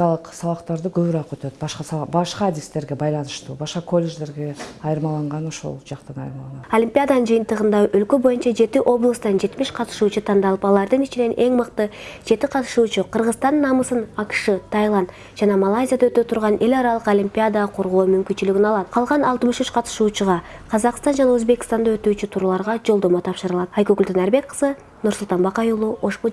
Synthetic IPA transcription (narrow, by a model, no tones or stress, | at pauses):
ɑlˠəqsɑβɑqt̪ɑɾd̪əkʲʰɵβɪɾɑqøt̪øt̪bɑʃqɑsɑbɑʃqɑːd̪ist̪eɾɡʲe̞bɑjlˠɑnɯʃt̪uːbɑʃqɑkʰo̞lʲːe̞ʒd̪e̞ɾɡʲe̞ɑjəɾmɑlˠɑɴʁɑno̞ʃo̞̰lˠd͡ʒɑqt̪ənɑ̰jəɾmɑlˠolʲimʲpʲijad̪anənd͡ʒɨjənt̪əʁənd̪ɑʔɵlkʲe̞bo̞jənt͡ʃɑd͡ʒe̞t̪ɪʔo̞blˠəst̪ɑnd͡ʒe̞t̪mɪʃqʰɑt̪ə̥ʃuːt͡ʃʊt̪ʰɑnd̪ɑlˠəpɑlˠɑɾd̪ənit͡ʃɪne̞nʔe̞ŋməqt̪əʒe̞t̪ɪqʰɑt̪ʃut͡ʃʊqʰəɾʁəzt̪ɑnːɑməsənɑkʃɯt̪ʰajlˠand̪ | d͡ʒɑnɑmalˠajzʲijad̪aøt̪øt̪ʰuɾʁɑne̞lʲɑɾɑlˠəqolʲimpʲijad̪ɑqʰo̞ɾʁoːmymkynt͡ʃylyɡʲinɑlˠɑt̪qʰɑlˠʁɑnɑlˠt̪əmɯʃyt͡ʃqʰɑt̪ɯ̥ʃuːt͡ʃuʁɑqʰɑzɑqst̪ɑnd͡ʒɑnɑøzbe̞kʲɪ̥st̪ɑnd̪ɑø̞t̪yːt͡ʃyt̪ʰuɾlˠɑɾʁɑd͡ʒo̞lˠd̪o̞mot̪ʰɑpʃɯɾɯlˠɑt̪ɑjkøkylt̪enæɾbe̞kqə̥zɨ | nuɾsulˠt̪ɑnbɑqɑjulˠuo̞ʃpo